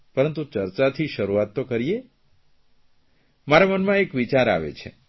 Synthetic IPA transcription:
pəɾənt̪ut͡ʃəɾt͡ʃat̪ʰiʃəɾuat̪ːokəɾije | maɾamənmãekʋit͡ʃaɾa̰ʋḛt͡ʃʰḛ

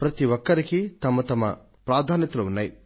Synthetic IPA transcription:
pɾɐt̪iʋɔkːɐɾikit̪ɐmɐt̪ɐmɐ̰ | pɾaːd̪ʱaːnjɐt̪ɐluunːaːji

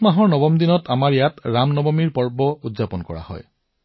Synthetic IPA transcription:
maɦɔɹnɔbɔmdinɔtamaɹijatɹamnɔbɔmiɹpɔɹbɔudzapɔnkɔ̰ɹa̰hɔ̰j

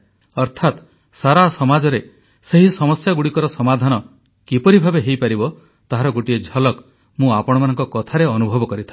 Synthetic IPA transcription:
ɔɾt̪ʰat̪ | saɾasɔmad͡ʒɔɾe | seɦisɔmɔsjaɡuɽikɔɾɔsɔmad̪ʱanɔ | kipɔɾibʱabeɦejpaɾibɔ | t̪aɦaɾɔɡoʈied͡ʒʱɔlɔk | mũapɔɽ̃ɔmanɔ̃ŋkɔkɔt̪ʰaɾeɔnubʱɔbɔkɔɾit̪ʰḁ

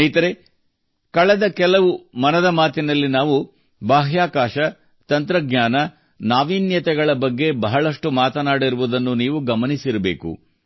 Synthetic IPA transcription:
jt̪ɐɾe | kɐɭɐd̪ɐkɛlɐʋumɐnɐd̪ɐmaːt̪inɐlːinaːʋu | baːɦjaːkaːʃɐ | t̪ɐnt̪ɾɐɡɲaːnɐ | naːʋiːnjɐt̪ɛɡɐɭɐbɐɡːe̞bɐɦɐɭɐʂʈumaːt̪ɐnaːɽiɾuʋud̪ɐnːuniːʋuɡɐmɐnisiɾɐbe̞ːkṵ

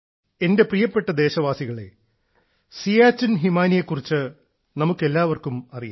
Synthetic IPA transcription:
e̞nde̞prijɐpːe̞ʈːɐd̪e̞ːɕɐʋaːsiɣɐɭe̞̰ | sijaːt͡ɕːinɦimaːnijekːurit͡ɕːɨ | nɐmukːe̞lːaːʋɐrkumɐrija̰

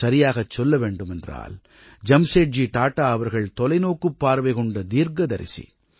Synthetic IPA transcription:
ɐɾɪjaːɣɐt͡ʃːɔlːɐʋeːɳɖɯmɛndra̰ːl | d͡ʒɐmseːʈ̚d͡ʒiʈaːʈːaːɐʋɐɾɣɐɭt̪ɔlɐɪnoːkːɯpːaːɾʋɐɪɣɔɳɖɐd̪iːɾɡɐd̪ɐɾɪ̰sḭ

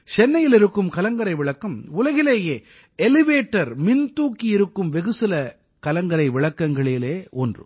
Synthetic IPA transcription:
t͡ʃɛnːɐjɪlɪɾɯkːɯmkɐlɐŋɡɐɾɐɪʋɪɭɐkːɐmʊlɐɣɪleːjeː | ɛlɪʋeːʈːɐɾmɪnt̪uːkːiɪɾɯkːɯmʋɛɣɯsɪlɐ | kɐlɐŋɡɐɾɐɪʋɪɭɐkːɐŋɡɐɭɪleːɔndrɯ̰

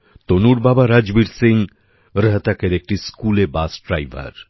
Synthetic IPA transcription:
t̪onuɾbabaɾad͡ʑbiɾsiŋ | ɾəɦt̪akeɾek̚ʈiskulebasɖɾajbʱa̰ɾ

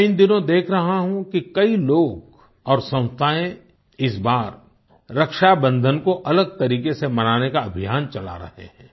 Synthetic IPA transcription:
ɪnd̪ɪnõd̪eːkʰɾɐɦaɦũkikɐiloːɡ | ɔːɾsɐ̃ʊ̃st̪ʰaːẽ | ɪsbaːɾː | ɐkʃabə̃nd̪ʱənkoʔɐləɡ̚t̪ɐɾiːkesemɐnaːnekaɐbʱijaːnt͡ʃɐla̰ɾɐ̰hḛɦɛ̃ː

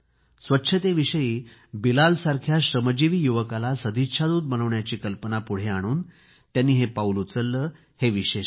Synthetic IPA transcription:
sʋətːɕʰət̪eʋiɕəjiːbilalsaɾkʰjaɕɾəməd͡ʑiʋiːjuʋəkalasəd̪ʱit̪ʂʰad̪uːt̪̚mələʋɳjat͡ɕiːkəlpənapuɽ̤eaɽ̃uːn | t̪janːiːɦepaulut͡səlːəː | heʋiɕe

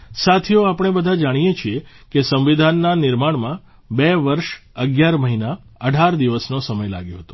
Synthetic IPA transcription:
sat̪ʰioapɽ̃ebəd̪ʱad͡ʒaɽ̃ijet͡ʃʰie | kesəmʋid̪ʱanːanɪɾmaɽ̃mã | beʋəɾʃəɡjaɾməɦinaəɖʱaɾd̪iʋəsnosəməjla̰ɡjõ̰ɦət̪o

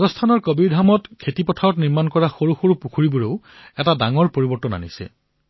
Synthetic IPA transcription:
ɡɔstʰanɔɹkobiɹdʱamɔtkʰetipɔtʰaɹɔtniɹmankɔɹaxoɹuxoɹupukʰuɹibuɹeʊ | ɛtadaŋɔɹpoɹibɔɹtɔna̰nisɛ̰

